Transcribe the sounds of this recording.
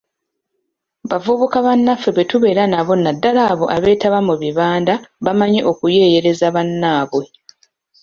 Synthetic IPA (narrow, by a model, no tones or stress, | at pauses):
βavuβukaβanːafːe̞βe̞tuβe̞ːɾanaβo̞nadːalaːβo̞ʔaβe̞ːtaβamuβiβaːndaβamaɲeʔo̞kuje̞ːje̞ɾe̞zaβanːaːβwe̞